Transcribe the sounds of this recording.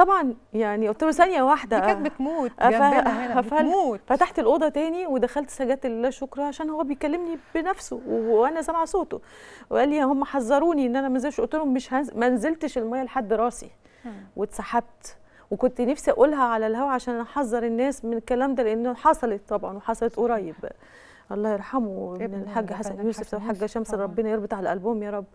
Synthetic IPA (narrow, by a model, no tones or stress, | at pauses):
t̪ˤɑbʕɑnjaʕniʔot̪ːelosænjæwaħd̪æʔæemuːtʔæfæfælːfæt̪aħt̪elʔod̪ˤɑt̪æːniwed̪æxælt̪sæɡæːt̪elilæːʃokɾˤɑʕaʃæːnhowːæbejkælːemnibenæfsowʔænæsæmʕasoːt̪o | weʔælːihomːæħɑzˤːɑɾˤuːniʔenːʔænæmænzelʃʔot̪ːelhomːeʃhænmænzelt̪ʃelmæjːæleħad̪ːɾˤɑːsḭ | wet̪saħab̚t̪ | wekont̪næfsiʔæʔulːɦæʕalælhæwæʕaʃæːnʔæħɑzˤːɑɾˤenːæːsmenekælæːmd̪æːleʔenːħɑsˤɑlet̪ˤːɑbʕɑ̰nweħɑsˤɑlet̪ʔoɾˤɑːjeb | ʔɑlˤːɑːhjeɾˤħamunelħaɡːæħasænjuːsefʔæwħaɡːæʃæmselˤɾˤɑbːenɑjeɾˤbet̪ˤʕalæʔælbuːmjæːɾˤɑbː